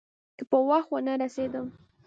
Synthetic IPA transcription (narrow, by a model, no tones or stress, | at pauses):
kəpəwaxwanaɾased̪əm